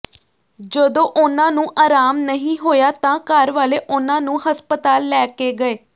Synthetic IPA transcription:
d͡ʒəd̪õːʔʊnãːnũːʔaːɾaːmnəɦĩːɦoːjaːt̪ãːkəɾʋaːleːʔʊnãːnũːɦəspət̪aːlːɛːkeːɡəeː

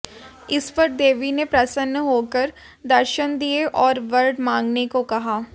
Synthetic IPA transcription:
ɪspɐɾd̪eːʋinepɾɐsənːəɦoːkəɾ | d̪ɐɾʃənd̪ieʔɔːɾʋɐɾɖmãːŋɡnekokɐɦaː

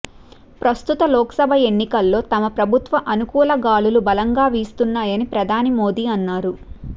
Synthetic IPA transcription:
pɾɐst̪ut̪ɐlɔːkɐ̥sɐbʱɐe̞nːikɐlːo̞ːt̪ɐmɐpɾɐbʱut̪ʋɐʔɐnukuːlɐɡaːlulubɐlɐŋɡaːʋiːst̪unːaːjɐnipɾɐd̪ʱaːnimoːd̪iːɐnːaːɾu

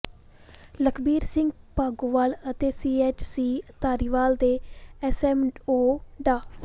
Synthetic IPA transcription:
ləkʰbiːɾsɪŋɡpaːɡuːʋaːlət̪eːsiːeːt͡ʃsiːt̪aːɾiːʋaːld̪eːɛsɛːmoːɖaː

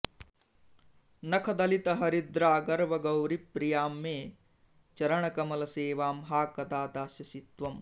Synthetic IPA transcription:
nɐkʰɐd̪ɐlit̪ɐɦɐɾid̪ɾaːɡɐɾʋɐɡɐwɾipːɾijaːmːeː | t͡ʃɐɾɐɳɐkɐmɐlɐseːʋaːmɦaːkɐd̪aːt̪aːsjɐsit̪ʋɐm

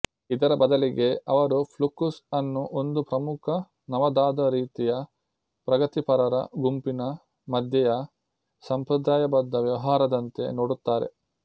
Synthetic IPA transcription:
id̪ɐɾɐbɐd̪ɐliɡe̞ɐʋɐɾupʰlukusɐnːuʔo̞nd̪upɾɐmukʰɐ | nɐʋɐd̪aːd̪ɐɾiːt̪ijɐ | pɾɐɡɐt̪ipɐɾɐɾɐ̰ɡumpinɐ | mɐd̪ʱjɐjɐ | sɐmpɾɐd̪aːjɐbɐd̪ːɐʋjɐʋɐɦaːɾɐd̪ɐnt̪e̞̰noːɽut̪ːaːɾḛ

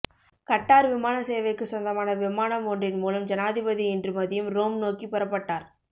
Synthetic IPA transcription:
kɐʈːaːɾʋɪmaːnɐseːʋɐɪkːɯsɔnd̪ɐmaːnɐʋɪmaːnɐmondrɪnmuːlɐmd͡ʒɐnaːðɪbɐðiɪndrɯmɐðɪjɯmɾoːmnoːkipɛɾɐpːɐʈːaːɾ

